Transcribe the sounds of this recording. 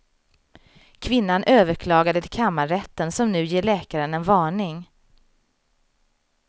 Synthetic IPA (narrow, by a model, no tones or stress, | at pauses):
kʰvɪnːanʔøːvəɾkʰlɑːɡad̪ət̪ʰɪkʰamːaɾɛt̪ːənsɔmnʉ̟ːjeːɭɛːkaɾənɛnvɑːɳɪŋ